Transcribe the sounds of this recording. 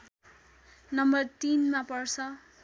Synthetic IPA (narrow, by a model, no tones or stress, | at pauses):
nʌmbʌrt̪inmapʌrt͡sʰʌ